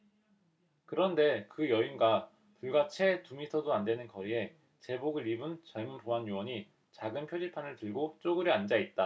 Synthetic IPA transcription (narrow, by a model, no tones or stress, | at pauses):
kɯɾʌnde̞kɯjʌinɡa | puɭɡat͡ɕʰe̞tumitʰʌdoandwe̞nɯnkʌɾie̞ | t͡ɕe̞boɡɯɾibɯnt͡ɕaɭmunpoɦanjowʌɲi | t͡ɕaɡɯnpʰjod͡ʑipʰanɯɭtɯɭɡot͡ɕ͈oɡɯɾiand͡ʑait̚t͈a